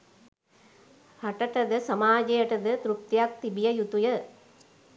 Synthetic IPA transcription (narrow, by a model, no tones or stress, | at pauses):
hɐʈɐʈɐd̪ɐsɐmaːd͡ʒɐjɐʈɐd̪ət̪ɾuk̚t̪jak̚t̪ibijɐjut̪ujɐ